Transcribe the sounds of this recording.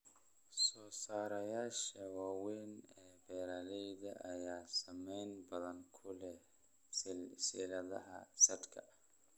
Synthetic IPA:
sɔːsaːɾɐjaːʃɐwaːwɛːnɛːbɛːɾɐlɛjðɐ̰ʔɐjaːsɐmɛjnbɐðɐŋkʰʊlɛ | siːlɐðɐ̰ɦɐ̰sɐd̪kʰɐ̰

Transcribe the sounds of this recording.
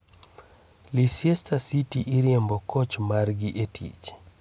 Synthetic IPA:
lisjɛstasitiʔiɾjɛmbɔkɔt͡ʃmarɡiʔetʰḭt͡ʃ

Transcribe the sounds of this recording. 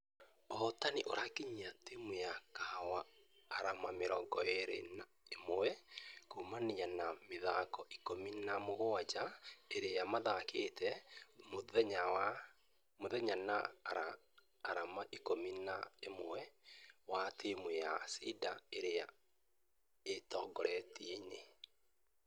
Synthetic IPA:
ɔtaniʔoɾakiɲiatemwɛjakawaːɾamameɾɔŋɡɔeɾena | emoɛkomanianameðakɔʔikominamoɣoad͡ʒaeɾejamaðakʰetɛmoðɛɲawa | moðɛɲana̰ɾaː | ɾamaʔikominaemoɛwatʰemwɛjasidaeɾea̰ | etɔːɡɔɾɛtieɲe

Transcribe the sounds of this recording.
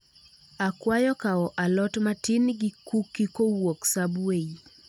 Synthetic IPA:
akwajɔkaɔʔalɔtmatɪnɡikukːikowoksabwei

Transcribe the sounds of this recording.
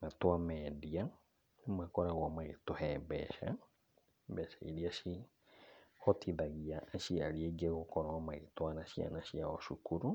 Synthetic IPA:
matwamɛdia | nemwakɔɾaɣwamaetohɛmbɛ̰ʃa̰ | mbɛʃaḭɾiaʃi | ɔtʰiðaɣiaːʃiaɾieɡeɣokɔɾwamaetoanaʃia̰naʃiaɔʃukuɾu

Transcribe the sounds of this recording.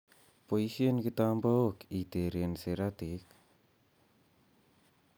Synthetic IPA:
poisiənkit̪ambowkit̪eɾeənseɾat̪ik

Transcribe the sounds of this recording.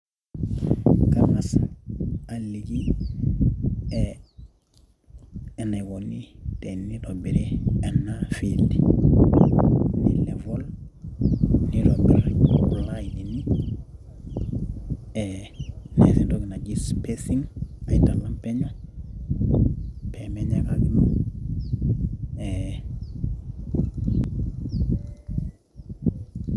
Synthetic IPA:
kanasaalliɡi | ɛ | ɛnajwonitɛnːidɔbɛɾɛɛnːafildi | nḭlɛvɔl | niɾɔbɛɾɔlajdini | ɛnɛsɛdɔɡinad͡ʒispesiŋajtalːampɛɲɔ | pʰɛmɛɲɛkaɡim | ɛ

